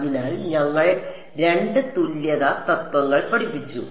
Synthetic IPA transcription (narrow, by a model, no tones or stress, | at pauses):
ɣilaːɭnɐɭːɐ | ɾe̞ɳɖɨt̪ulːjɐðat̪ɐt̪ːwɐɣːɐɭpɐɽipːit͡ɕːṵ